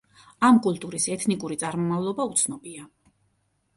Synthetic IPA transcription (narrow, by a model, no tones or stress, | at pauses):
amkʼulˠt̪ʼuɾisɛt̪ʰnikʼuɾit̪sʼaɾmɔmavlˠɔbaut̪sʰnɔbia